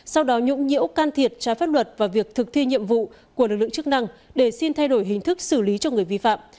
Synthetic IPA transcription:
sa˧wɗɔ˨˦ɲʊ̰˧˥ŋ͡mɲḭ˧˥əwkaː˧nt̪ʰi˨˩ət̚t͡ɕaː˨˦jfaː˦˥t̚lwə˨˩t̚vaː˨˩wvi˨˩ək̚t̪ʰɨ˨˩k̚t̪ʰi˧ɲḭ˧˨əmvṵ˧˨ | ku˧˩əlɨ˨˩k̚lɨ̰˧˨˦t͡ɕk̚na˧ŋɗe˧˩si˧nt̪ʰa˧jɗo˧˩jɦï˨˩ŋ̟t̪ʰɨ˦˥k̚sɨ˧˩li˨˦t͡ɕɔ˧ŋɨ˨˩əjvḭ˧fa̰ː˧˨m

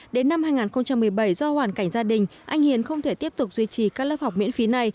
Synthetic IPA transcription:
ɗe˨˦nːa˧mhaː˧jŋaː˨˩nxə˧wŋ͡mt͡ɕa˧mːɨ˨˩əjɓə˧˩jzɔ˧hwaː˧˩nka˧˩jŋ̟zaː˧ɗï˨˩ŋ̟ʔa˧jŋ̟hi˨ənxə˧wŋ͡mt̪ʰe˧˩t̪i˦˥əp̚t̪ʊ˨˩k͡p̚zwi˧t͡ɕi˨˩kaː˦˥k̚lə˦˥p̚ha˨˩k͡p̚mḭ˧˥ənfi˨˦na˧˩j

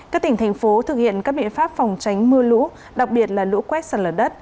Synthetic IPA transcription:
kaː˦˥k̚t̪ï˧˩ŋ̟t̪ʰa˨˩ŋ̟fo˨˦t̪ʰɨ˨˩k̚hḭ˧˨ənkaː˦˥k̚ɓḭ˧˨ənfaː˦˥p̚fɔ˨˩wŋ͡mt͡ɕa˨˦jŋ̟mɨ˧əlṵ˧˥ | ɗa˨˩k̚ɓi˨˩ət̚laː˨˩lṵ˧˥kwɛ˦˥t̚səː˧˩ləː˨˩ɗə˦˥t̚

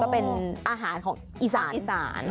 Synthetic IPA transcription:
kɔː˥˩pe˧nʔaː˧ɦaː˩˦nkʰɔː˩˦ŋʔiː˧saː˩˦i˧saː˩˦n

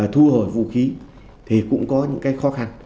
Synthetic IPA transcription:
t̪ʰu˧ho˧˩jvṵ˧˨xi˨˦ | t̪ʰi˨˩kʊ̰˧˥ŋ͡mkɔ˨˦ɲɨ̰˧˥ŋkaː˨˦jxɔ˨˦xa˧n

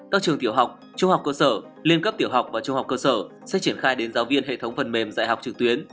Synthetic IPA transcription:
kaː˦˥k̚t͡ɕɨ˨˩əŋt̪i˧˩əwɦa˨˩wk͡p̚ | t͡ɕʊ˧ŋ͡mha˨˩wk͡p̚kəː˧səː˧˩ | li˧ənkə˦˥p̚t̪i˧˩əwɦa˨˩wk͡p̚vaː˨˩t͡ɕʊ˧ŋ͡mha˨˩wk͡p̚kəː˧səː˧˩ | sɛ̰˧˥t͡ɕi˧˩ənxaː˧jɗe˨˦nzaː˨˦wvi˧ənhɦḛ˧˨t̪ʰə˨˦wŋ͡mfə˨˩nme˨˩mza̰ː˧˨jɦa˨˩wk͡p̚t͡ɕɨ˨˩k̚t̪wi˨˦ən

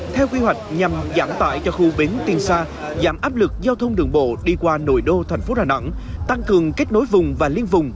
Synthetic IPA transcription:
t̪ʰɛ˧wkwi˧ɦwa˨˩jk̟̚ɲa˨˩mzaː˧˩mt̪a̰ː˧˨jt͡ɕɔ˧xu˧ɓi˨˦nt̪i˧ənsaː˧ | zaː˧˩mʔaː˦˥p̚lɨ˨˩k̚zaː˧wt̪ʰə˧wŋ͡mɗɨ̰˧˩əŋɓo̰˧˨ɗi˧kwaː˧no̰˧˨jɗo˧t̪ʰɛ˨˩ŋ̟fo˨˦ɗaː˨˩na̰˧˥ŋ | t̪a˧ŋkɨ˨˩əŋke˦˥t̚no˨˦jvʊ˨˩ŋ͡mvaː˨˩li˧ənvʊ˨˩ŋ͡m

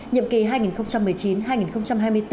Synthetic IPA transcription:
ɲḭ˧˨mki˨˩ɦaː˧jŋi˨˩nxə˧wŋ͡mt͡ɕa˧mːɨ˨˩əjt͡ɕi˨˦nɦaː˧jŋi˨˩nxə˧wŋ͡mt͡ɕa˧mɦaː˧jmɨ˧əjt̪

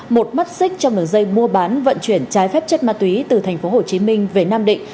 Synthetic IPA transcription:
mo˨˩t̚ma˦˥t̚sï˦˥k̟̚t͡ɕɔ˧ŋ͡mɗɨ˨˩əŋzə˧jmu˧əɓaː˨˦nvə̰˧˨nt͡ɕwi˧˩ənt͡ɕaː˨˦jfɛː˦˥p̚t͡ɕə˦˥t̚maː˧˩t̪wi˨˦t̪ɨ˨˩t̪ʰɛ˨˩jŋ̟fo˨˦ɦo˨˩t͡ɕi˨˦mï˧ŋ̟ve˨˩naː˧mɗḭ̈˧˨ŋ̟

